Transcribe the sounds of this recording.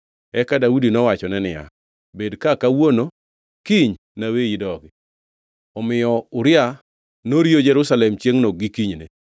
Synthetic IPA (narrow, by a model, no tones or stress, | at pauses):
ɛkadaudinɔwat͡ʃɔnɛnɪja̰ | bedkakawono | kiɲ | naweidɔɡɪ | ɔmɪjɔʊɾɪa | noɾjod͡ʒɛɾʊsalɛmt͡ʃjeŋnɔɡikiɲne